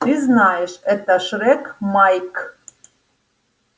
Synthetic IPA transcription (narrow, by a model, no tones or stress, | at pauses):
t̪yznɑjəʃet̪ɑʃɾekmɑjk